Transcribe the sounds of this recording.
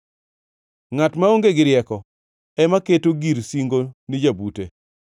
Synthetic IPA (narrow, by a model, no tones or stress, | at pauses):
ŋatmaoŋɡeɡɪɾɪjɛkɔ | ɛmaketoɡiɾsiŋɡonid͡ʒabutḛ